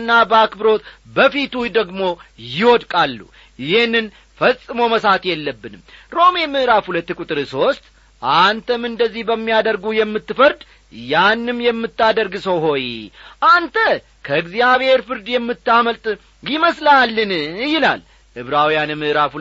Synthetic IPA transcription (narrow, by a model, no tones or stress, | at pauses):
nːabəakbɨɾo̞t̪bəfit̪ujd̪əɡmo̞jɪwɔd̪kʼalːṵ | ɪhenːɨn | fəsʼːɨməməsat̪jɛlːəbːɨnɨmɾo̞memɨʔɾafhulət̪ːkʼut̪ʼɨɾɨso̞st̪ʼ | ʔant̪ʰəmɨnd̪əzːihbəmːijad̪əɾɡujɛmːɨt̪ːɨfəɾd̪ | janːɨmjɛmːɨt̪ːad̪əɾɡɨsəwɦo̞jʔant̪ʰə | kʰəɨɡzijaβhe̞ɾfɨɾd̪jɛmːɨt̪ːaməlt̪ʼ | jɪməslalːɨnjɪla̰l | ʔɨβɾawijanmːɨʔɾafhu